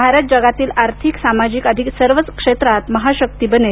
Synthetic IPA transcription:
bʱaɾət̪̚d͡ʑəɡat̪iːlaɾt̪ʰiksamad͡ʑiːkəd̪ʱiksəɾʋət͡skʂet̪ɾat̪məɦaɕək̚t̪ibəne

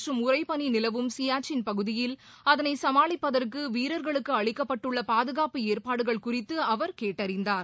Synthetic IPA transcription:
rɯmʊrɐɪpɐninɪlɐʋɯmsijaːt͡ʃɪnpɐɣɯðɪjɪl | ɐðɐnɐɪsɐmaːɭɪpːɐðɐrkɯʋiːɾɐɾɣɐɭɯkːɯɐɭɪkːɐpːɐʈːɯɭːɐpaːðɯɣaːpɯeːɾpaːɽɯɣɐɭkʊrɪt̪ːɯɐʋɐɾkeːʈːɐɾɪnd̪aːɾ

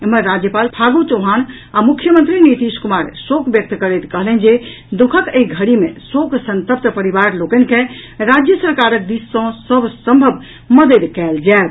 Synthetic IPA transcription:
eməɾɾad͡ʒjəpalpʰaɡot͡ʃəɦan | amukʰjəmənt̪ɾinit̪iskumaɾsokbjək̚t̪kəɾet̪kəɦlɛnd͡ʒe | d̪ukʰəkeiɡʱəɽimesoksə̃nt̪əp̚t̪pəɾibaɾlokənkẽɾad͡ʒjəsəɾkaɾək̚d̪isːɔ̃səbʱsə̃mbʱəbʱ | məd̪ed̪kɛld͡ʒaet̪

